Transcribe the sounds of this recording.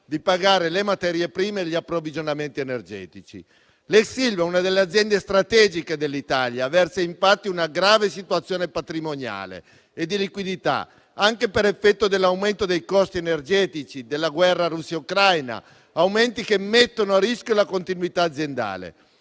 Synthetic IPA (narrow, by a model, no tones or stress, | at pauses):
d̪ipaɡaːɾelemat̪ɛːɾjepɾiːmeʎːiapːɾovid͡ʒonament̪ienerd͡ʒɛ̰ːt̪it͡ʃḭ | lɛksilvɛunad̪elːead̪zjɛnd̪est̪ɾat̪ɛːd͡ʒiked̪elːit̪aljavɛrsaiɱfat̪ːiunaɡɾaːvesit̪uat̪sːjoːnepat̪ɾimoɲa̰ːlḛ | ed̪ːilikwid̪it̪a̰ | aŋkepeɾefːɛt̪ːod̪elːawment̪od̪ejkɔst̪ienerd͡ʒɛːt̪it͡ʃid̪elːaɡwɛrːaɾusːaukɾajna̰ | awment̪ikemːet̪ːonoarːiskjolakont̪inwit̪aːd̪zːjend̪a̰ːlḛ